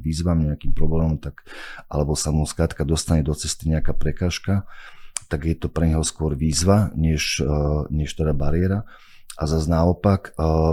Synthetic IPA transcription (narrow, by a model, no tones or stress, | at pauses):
ʋiːzʋamɲɛakiːmpɾɔblɛːmɔmt̪akʔa̰lɛbɔsamuskɾaːt̪kad̪ɔst̪aɲɛd̪ɔt͡sɛst̪iɲɛakaːpɾɛkaːʃkat̪aɡjɛt̪ɔpɾɛɲɦɔskʊɔɾʋiːzʋaɲɛʃɲɛʃt̪ɛd̪abaɾɪɛɾa | ʔazaznaɔpak